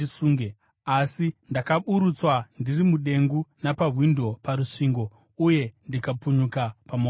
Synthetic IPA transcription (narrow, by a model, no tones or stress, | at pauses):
isuːŋɡe | asindakaɓuɾut͡swandirimuɗe̞ŋɡunapaɦwindo̞paɾuʂiŋɡo̞ | uje̞ndikapuɲukapamo